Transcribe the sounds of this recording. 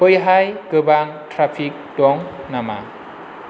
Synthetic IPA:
pɯjɦajkɯbaŋtʰɾapʰik̚dɔŋnama̰

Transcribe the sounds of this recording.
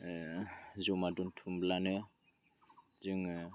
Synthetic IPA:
zomadunt̪ʰumblane | ziŋ

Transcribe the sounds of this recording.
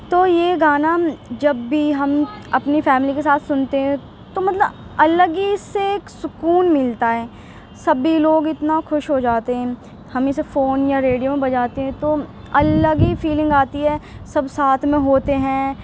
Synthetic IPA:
t̪oːjeɡaːnad͡ʒɐbːiɦɐmɐpnifɛːmɪlikesaːt̪ʰsʊnt̪eɦɛ̃ | t̪omɐt̪ləb | ɐləɡiseːksʊkuːnmɪlt̪aɦɛː | sɐbiloːɡɪt̪naxʊʃɦod͡ʒaːt̪eɦɛ̃ː | hɐmesefoːnjaɾeːɖijomẽbɐd͡ʒaːt̪eɦɛ̃t̪oː | ɐləɡifiːlɪ̃ŋɡaːt̪iɦɛːsɐbsaːt̪ʰmẽɦoːt̪eɦɛ̃ː

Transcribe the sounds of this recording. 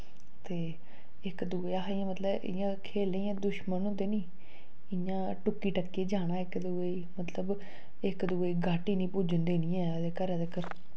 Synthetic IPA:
t̪eː | ɪkd̪ueaːaɪãːmət̪ləbɪ̰jãːkʰeːlẽãːd̪ʊʃmənõːd̪eːnĩː | ɪjãː | ʈʊkːiːʈəkːeːd͡ʒaːɽaːɪkd̪u | iːmət̪ləb | ɪkd̪ʊeiːɡaːʈiːnĩːpuːd͡ʒənd̪eːnĩːɛ̃ːd̪eːkəɾɛd̪eːkəɾ

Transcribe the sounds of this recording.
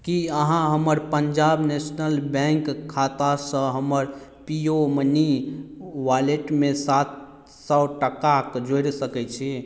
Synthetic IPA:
kiəɦãɦəməɾpəɲd͡ʒabnesnəlbɛ̃ŋkkʰːat̪asə̃ɦəməɾ | pioməni | ʋaleʈmẽsat̪ | sɔʈəkakd͡ʒojɾsəkɛt͡ʃʰi

